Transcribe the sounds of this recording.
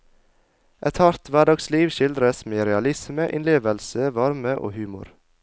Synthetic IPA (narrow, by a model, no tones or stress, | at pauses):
ʔɛt̪hɑɾt̪ʋæɖɑːɡsliːʋʃɪld̪ɾəsmeːɾɛɑlɪsməʔɪnleːʋəlsəʋɑɾməʔo̰ːhʉːmʊ̰ɾ